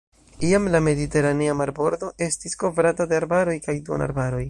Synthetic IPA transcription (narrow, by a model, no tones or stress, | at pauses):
iamlame̞dite̞ɾaneamaɾbo̞ɾdo̞ʔe̞stisko̞vɾatadeaɾbaɾo̞jkajduo̰na̰ɾbaɾo̞j